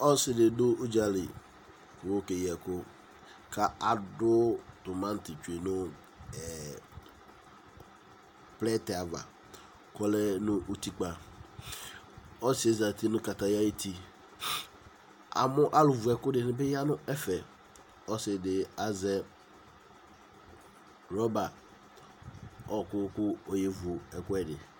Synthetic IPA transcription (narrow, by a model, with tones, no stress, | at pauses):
ɔ˦sɪ˦dɪ˨dʊ˦ʊ˦d͡ʒa˦lɪ˨ | kʊ˨wo˦ke˨jɛ˨kʊ˦ | kʰa˦a˨dʊ˦t̪ʊ˨mã˦n˦tɪ˨t͡ʃu˨e˨nʊ˦ | ɛ˨ | plɛ˦tɛ˨a˨va̰˨ | kɔ˦lɛ˦nʊ̃˦ʔo˦t̪i˦k͡pa˨ | ɔ˦sɪ˨˦e˦za˨t̪i˦nʊ̃˦ka˨ta˨ja˦e˦tʰi˦ | a̰˨mʊ˦ʔa˦lʊ˨vʊ˨ɛ˨kʊ˦dɪ˨nɪ̃˨˦bɪ˦ja˦nʊ̃˦ɛ˦fɛ˨ | ɔ˦sɪ˨dɪ˨a˨zɛ˦ | ɾɔ˦ba˨ | ɔ˦˨kʊ˦kʊ˦o˦je˦vʊ˨ɛ˨kʊ˦ɛ˦dɪ̰˨